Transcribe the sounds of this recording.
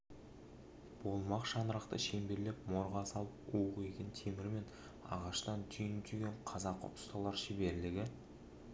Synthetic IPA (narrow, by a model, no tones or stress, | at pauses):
b̥o̞lˠmɑqʃɑnəɾɑqt̪ə̰ʃe̞mbe̞ɾlepmo̞ɾʁɑsɑlˠpoʁe̞kʲent̪ʰe̞mɪɾme̞n | ɑ̰ʁɑʃt̪ɑnt̪ʰʏjɪnt̪ʰyɡʲeɴqʰɑzɑqʰːo̰pʊ̥st̪ɑlˠɑɾʃɪbe̞ɾlɪɡʲɪ